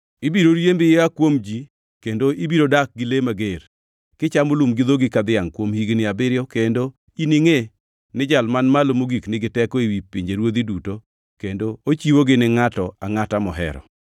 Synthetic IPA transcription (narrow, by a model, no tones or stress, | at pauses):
ibiɾoɾjembɪjeakwomd͡ʒi | kendoibiɾodak̚ɡɪlemaɡeɾ | kɪt͡ʃamolumɡɪd̪oɡɪkad̪ɪaŋkwomhiɡnɪabɪɾjɔkendo | inɪŋe | nɪd͡ʒalmanmalomoɡiknɪɡɪtɛkɔiwipiɲd͡ʒeɾwod̪iduto | kendoot͡ʃiwoɡɪnɪŋatɔaŋatamɔɦɛ̰ɾɔ̰